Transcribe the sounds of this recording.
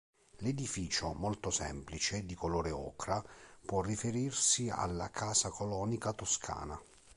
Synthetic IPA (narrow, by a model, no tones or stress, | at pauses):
led̪ifiːt͡ʃomɔlt̪osɛ̰mplit͡ʃed̪ikoloːɾeɔ̰ːkɾapwɔrːifeɾirsia̰lːa̰kʰaːsakolɔːnikat̪oskʰa̰ːna